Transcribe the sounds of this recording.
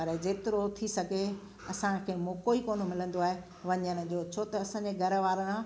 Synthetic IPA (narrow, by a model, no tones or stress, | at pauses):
ɐɾɛd͡ʑeːt̪ɪɾot̪ʰisɐɡʱe | ɐsãkʰeːmoːkoːikoːnomɪlə̃nd̪oaːɦe | ʋɐɲəɽ̃ə̆ʄoːt͡ɕʰoːt̪ɐɐsãːɲd͡ʑeɡʱɐɾʋaːɾə̃ã